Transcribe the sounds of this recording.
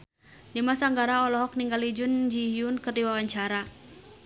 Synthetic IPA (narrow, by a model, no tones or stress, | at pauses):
dimasaŋɡaɾaɔlɔɦɔk̚niŋɡalid͡ʒʊnd͡ʒiɦiunkɨrdiwawaɲt͡ʃaɾa